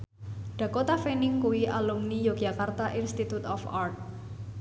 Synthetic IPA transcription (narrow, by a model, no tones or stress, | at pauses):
ɖ̪̥ä̤kot̪afenɪŋkuwiʔalumnijoɡ̥ʒa̤kart̪aʔinst̪it̪ut̪ɔfart̪̚